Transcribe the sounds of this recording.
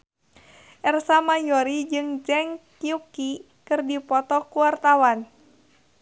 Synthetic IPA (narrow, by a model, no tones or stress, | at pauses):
ʔɛrsamajɔɾid͡ʒɨŋd͡ʒɛŋkiuki | kɨrdipɔt̪ɔkuwart̪awan